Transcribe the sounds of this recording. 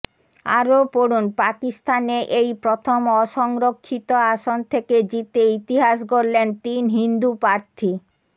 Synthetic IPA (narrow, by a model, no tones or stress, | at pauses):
a̰ɾopoɾunpakist̪aneʔejpɾot̪ʰomɔʃɔŋɾokʰːit̪oaʃont̪ʰeked͡ʑit̪eit̪iɦaʃ̬koɾlent̪inɦind̪upɾaɾt̪ʰi